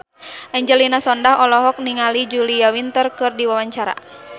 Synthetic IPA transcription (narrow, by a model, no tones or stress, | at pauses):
ʔɛɲd͡ʒɛlinasɔndaɦɔlɔɦɔk̚niŋalid͡ʒuliawint̪ərkɨrdiwawaɲt͡ʃaɾa̰